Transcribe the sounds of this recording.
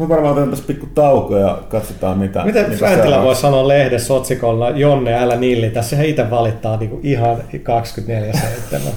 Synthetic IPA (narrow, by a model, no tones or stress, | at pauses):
oʋɑrmɑt̪ent̪ɑspikːut̪ɑukojɑ̰kɑt̪sot̪ɑːmit̪æ̰mit̪æmænilæʋoissɑnoːllehdesːot̪sikolnɑjonːeælːænilːit̪æssehæit̪eʋʋɑlit̪ːɑːniːkuʔihɑnkɑkskyt̪neljæseit̪ːḛmæ̰